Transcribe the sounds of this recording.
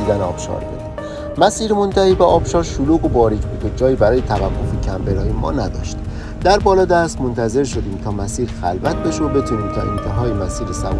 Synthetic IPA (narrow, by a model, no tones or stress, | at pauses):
id̪æneɒ̰ːb̥ʃɒ̰ːɾbṵd̪̥ | mæsiːɾmo̞nt̪ʰæhiːbeɒːbʃɒːɾʃoluːɣobɒːɾicʰbud̪ed͡ʒɒːjiːbæɾɒːje̞t̪ʰævækːo̞fecʰæmbeɾɒːjemɒ̰ːnæd̪ɒ̰ːʃt̪ | d̪æɾbɒːlɒːd̪æst̪mo̞nt̪ʰæze̞ɾʃo̞d̪iːmt̪ʰɒːmæsiːɾxælvæt̪̚ʰbe̞ʃobe̞t̪ʰuːniːmt̪ʰɒ̰ʔḛnt̪ʰeɦɒːjemæsiːɾesæv